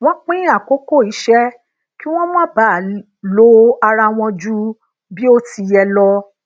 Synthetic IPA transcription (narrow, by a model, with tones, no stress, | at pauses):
w̃ɔ̃˦k͡pĩ˦a˦˨ko˨˦ko˦˨i˨˦ʃɛ˦ | ki˦w̃ɔ̃˦mɔ̃˦ba˨˦˨ | lo˨˦a˧ɾa˧w̃ɔ̃˧d͡ʒu˦ | bi˦o˦ti˧jɛ˧lɔ˧